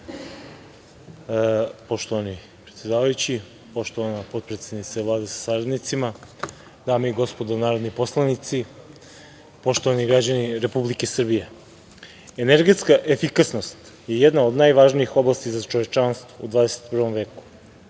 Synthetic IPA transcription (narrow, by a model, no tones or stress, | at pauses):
po̞ʃt̪o̞ʋani | pɾet̪sʲe̞d̪aːʋajut͡ɕi | po̞ʃt̪oʋanapo̞d̪̚pɾet̪sed̪nit̪savlˠaːd̪esḁsaɾad̪nit̪sima | d̪aːmeiɡo̞spo̞d̪onaːɾod̪nipo̞slˠanit̪si | po̞ʃt̪o̞ʋaniɡɾad͡ʑaniɾe̞publike̞sr̩bije̞ | eneɾɡe̞t̪skaʔefikasno̞st̪ | jejed̪naod̪najʋaʒniixo̞blˠast̪izat͡ʃoʋet͡ʃanst̪ʋoud̪vaːd̪eset̪̚pr̩ʋo̞mve̞ːku̥